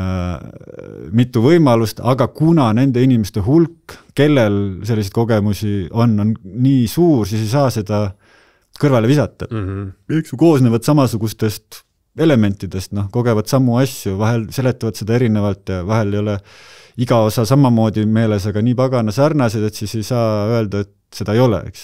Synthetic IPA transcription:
mit̪ːˑuvɤ̞jmɑlust̪ɑɡ̥ɑkunɑne̞nd̪̥e̞inimest̪e̞ɦulkː | e̞lːe̞lse̞lːiseit̪̚ko̞ɡ̥e̞musʲio̞nːo̞nniːsuːrs̬iːsejs̬ɑːse̞d̪̥ɑ | kɤrvɑle̞visɑt̪ːˑɑmeksjuko̞ːsneːvɑd̪sɑmɑsuɡ̥ust̪e̞st̪ | e̞le̞me̞nʲt̪ːˑid̪̥e̞st̪no̞hko̞ɡ̥e̞vɑd̪sɑmːuɑsʲjuvɑɦe̞lse̞le̞t̪ːˑɑvɑt̪se̞d̪ɑe̞ɾinevɑlt̪ˑjɑvɑɦelejo̞le | iɡ̥ɑo̞sɑsɑmɑmo̞ːd̪̥ʲime̞ːlesɑɡ̥ɑniːpɑɡ̥ɑnɑsɑrnɑsed̪̥e̞t̪sise̞jsɑːøe̞ld̪̥ɑe̞t̪ | se̞d̪̥ɑejo̞lḛḛks

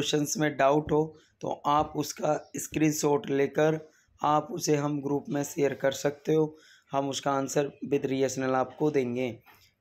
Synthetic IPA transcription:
ʃənsmẽɖaːʊʈɦoː | t̪o̰ʔaːpʊskaɪskɾiːnsoːɾʈleːkəɾ | aːpʊseɦɐmɡɾuːpmẽsejəɾkɐɾsɐk̚t̪eɦoː | hɐmʊskaənsəɾbɪd̪ɾiəʃnəlaːp̚kod̪ẽːŋɡeː

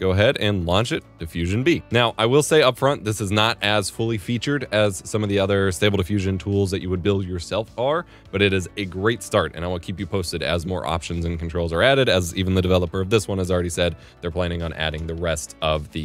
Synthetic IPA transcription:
ɡ̥oʊəɦɛɾɨ̃nlɑ̃nt͡ʃɨt̚d̥ɨfjʉʒɨ̃nbinaʊʔaɪwɪlˠseɪʌpfɹʌ̃nðɪsɨznəɾɨz̥fʊlˠifit͡ʃə˞ɾɨz̥sʌ̃mʌvðiʌðə˞steɪbl̩ˠdɨfjʉʒɨ̃ntʰulˠzðɨt͡ʃɨwɨd̚bɪlˠdjə˞sɛlˠfʰɑɹ | b̥ʌɾɨɾɨzɨɡɹeɪtstɑɹɾɨ̰̃ñaɪw̃nˠkʰipjɨpʰoʊstɨɾɨ̰zmɔ̰ɹʔɑ̰pʃɨ̃nzɨ̃n̩kʰn̩tʰɹ̥oʊlˠzə˞æɾɨɾɨzivn̩ðɨdɨvɛlˠəpə˞ʌvðɪswʌ̃nɨzl̩ˠɹɛɾisɛd̪̚ | ðə˞pʰl̥æ̃ɾ̃ɪ̃ŋə̃næ̰ɾɪ̃ŋðɨɹɛstʌvðɨ

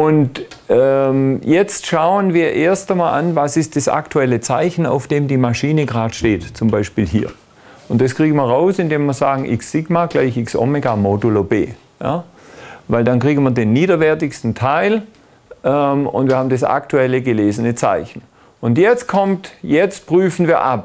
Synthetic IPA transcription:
ʔʊnt | ɛmjɛt͡stʃaʊənviːɐʔeːɐstɐmaːlʔa̰nvasɪst̚d̥asa̰ktʰuɛlət͡saɪçn̩a̰ʊfd̥eːmdiːmaʃiːnəɡʁaːtʃteːtt͡sʊmbaɪʃpiːlɦiːɐ | ʊnt̚d̥askʁ̥iːɡn̩mɐʁaʊsɪndeːmiːɐzaːɡŋ̩ʔɪksːɪɡmaɡ̥laɪçɪksʔɔ̰meɡamodolobḛː | ja̰ː | vaɪldankʁ̥iːɡn̩viːɐdeːnːiːdɐvɛɐtɪçstn̩tʰaɪl | ʔɛmʊ̰ntv̥iːɐhabmn̩dɐsa̰ktʰuɛləɡəleːzənət͡sa̰ɪçn̩ | ʔʊntjɛt͡st̚kʰɔmtjɛt͡st̚pʁ̥yːfn̩viːɐʔa̰p̚

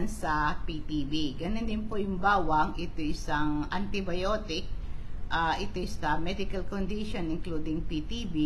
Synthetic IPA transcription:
nsɐpit̪ibiɡɐnond̪ɪnpojʊŋbaːwɐŋʔɪt̪oʔɪsɐŋʔɐnt̪ɪbɐjoːt̪ɪk̚ʔaʔɪt̪ɪsɐmɛd̪ɪkɐlkond̪iʃonɪŋklud̪ɪŋpit̪ibi

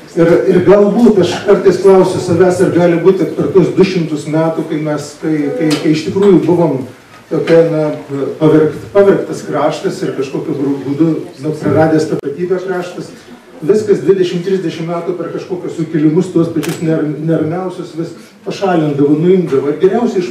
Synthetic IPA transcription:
ɪrɪrɡɐlˠbuːt̪ɐʃkɐrt̪ɐɪsklˠɐʊsʲʊsɐʋʲæːsɐrɡɑːlʲɪbuːt̪ʲɪpʲɛrt̪uɔsd̪ʊʃʲɪmt̪ʊsmʲæːt̪uːkɐɪmʲɛskɐɪkɐɪkɐɪɪʃt̪ʲɪkɾuːjʊbʊʋoːm | t̪oːkʲɛnɐpɐʋʲɛrkt̪pɑʋʲɛrkt̪ɐskrɑːʃt̪ɐsɪrkɐʃkoːkʲʊɡɾʊbuːd̪ʊnʊpɾɐrɑːd̪ʲeːst̪ɐpɐt̪ʲiːbʲɛːkrɑːʃt̪ɐs | ʋʲɪskɐsd̪ʲʋʲɪd̪ʲɛʃʲɪmt̪ʲɾʲɪzʲdʲɛʃʲɪmmʲæːt̪uːpʲɛrkɐʃkoːkʲʊssʊkʲɪlʲɪmʊst̪uɔspɐt͡ʃʲʊsnʲɛrnʲɛrʲmʲɛʊsʲʊsʋʲɪsspɐʃɑːlʲɪnd̪ɐʋɐːnʊɪmd̪ɐʋoːɪrɡʲɪɾʲɛʊsʲɛɪɪʃ

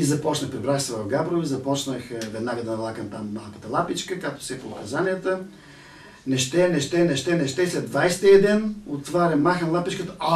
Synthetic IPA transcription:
izɐpɔt͡ʃnəxpɾɛbɾaxsɛvɐfɡabɾovizɐpɔt͡ʃnəxvɛd̪naɡəd̪ɐnɐlˠakəmt̪amːalˠkə̥t̪əlˠapit͡ʃkəkak̚t̪ʊ̥sɛpoːkɐzaniət̪ə | nɛʃt̪ɛnɛʃt̪ɛnɛʃt̪ɛnɛʃt̪ɛslɛd̪d̪vajst̪iɛd̪ɛnot̪vaɾʲɐmmːaxənlˠapit͡ʃkət̪əa

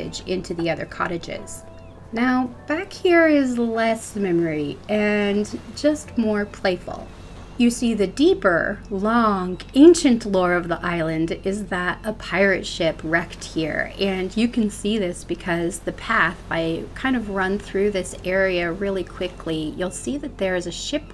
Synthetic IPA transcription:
ɨ̰d͡ʒɪ̰̃ntʰʉðiʌðə̰˞kʰɑ̰ɾɨd͡ʒɪ̰z̥ | naʊb̥ækhiɹɪzlɛsmɛmə˞iɨ̃nd͡ʒʌst̚mɔɹpʰl̥eɪfl̩ˠ | jɨsiðɨdipə̰˞lɔ̃ŋẽɪ̃nʃɨ̃nʔlɔɹʌvðiʔaɪlˠɨ̃ndɪzðɨɾəpʰaɪɹɨ̰tʃɪpʰɹɛkt̚hiɹɨ̃njɨkʰɨ̃n̩siðɪsb̥ɨkʰʌzðɨpʰæθb̥aɪkʰãɪ̃ndʌvɹʌ̃nθɹʉðɪsɛɹiɨɹɪlˠikʰw̥ɪkʰlijulˠsiðɨt̪̚ðə˞ɨzɨʃɪp

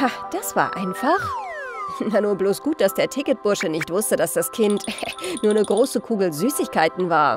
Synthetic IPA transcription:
had̥asv̥a̰ːɐʔa̰ɪnfaχ | nanuːɐbloːsɡ̥uːt̚d̥asd̥eːɐtʰɪkət̚b̥ʊɐʃənɪçtv̥ʊstədasd̥askʰɪntɛnuːɐnəɡʁoːsəkʰuːɡl̩zyːsɪçkaɪtn̩vaːɐ

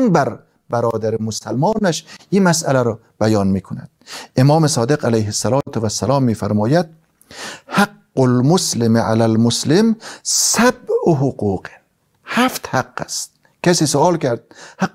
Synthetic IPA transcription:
nbæɾ | bæɾɒːd̪æɾemosælmɒːnæʃʔiːmæsʔælæɾɒː | b̥æjɒːnmiːkʰonæ̰d̪̥̚ʔemɒːmesɒːd̪eqælejɦesːælɒːt̪ʰevæsːælɒːmːiːfæɾmɒːjæd̪̥̚ | haɡːolmoslɪmʕa̰lælmoslɪmsæb̚oɦoquːqe | hæft̪haqːæ̰st̪̚ | kæsiːsoɒːlkæɾd̪̥̚ha

